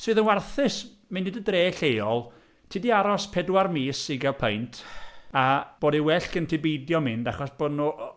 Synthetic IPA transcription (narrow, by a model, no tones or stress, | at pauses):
sɨːðənwarθɨs | mɨniːdədreːɬejɔlˠ | tʰiːdiaɾɔspʰɛdwarmiːsiɡɛlˠpʰejntʰab̥oːdiwɛɬkəntʰɪbijdjɔmɪndaχɔsb̥odnu